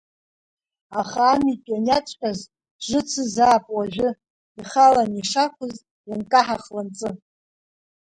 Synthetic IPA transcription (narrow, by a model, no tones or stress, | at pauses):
aχaːmikʼanat͡ʃʷʼqʲʼaz | ʒʷɨt͡sʰɨzaːpʼwaʒʷᶣʊ | iχalaniʂakʷʰʊz | jankʼaħaχlant͡sʼɨ